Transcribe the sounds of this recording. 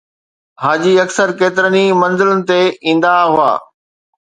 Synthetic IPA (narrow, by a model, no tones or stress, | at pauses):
ɦaːd͡ʑiɐksəɾkeːt̪ɪɾənimɐ̃nzɪlənɪ̆t̪eĩːn̆d̪aɦʊa̰ː